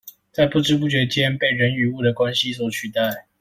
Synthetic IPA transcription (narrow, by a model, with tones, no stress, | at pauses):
t͡sa˥˧ɪpu˥˨ʈ͡ʂɻ̩˥p̬u˥˩t͡ɕɥɛ˨˥t͡ɕjɛ˦npe˥˩ɪɻə˨˦ny˨˩u˥˩d̪ə˨kwa˦nɕi˦swɔ˨˩t͡ɕʰy˥˧t̪a˥˨ɪ